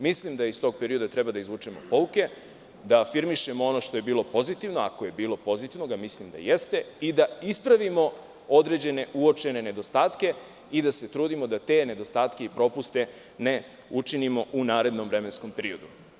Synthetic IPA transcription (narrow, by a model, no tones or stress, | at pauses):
mislimd̪aist̪o̞ɡ̚peɾio̞d̪at̪ɾe̞bad̪aizʋut͡ʂemo̞̰po̞uke̞ | d̪aːfiɾmiʃemoo̞no̞ʃt̪o̞je̞biːlˠo̞po̞zit̪iʋno̞a̰ko̞je̞biːlˠo̞po̞zit̪iʋnoɡamislimd̪a̰jest̪e̞id̪aispɾaʋimo̞ | o̞d̪ɾe̞d͡ʑe̞ne̞ʔuo̞t͡ʃe̞ne̞ne̞d̪o̞st̪aːt̪ke̞ | id̪ase̞t̪ɾuːd̪imo̞d̪at̪e̞ne̞d̪o̞st̪aːt̪ke̞ipɾo̞pust̪e̞ | ne̞ | ut͡ʃinimo̞ʔunaːɾe̞d̪no̞mvɾe̞me̞nsko̞mpeɾio̞d̪u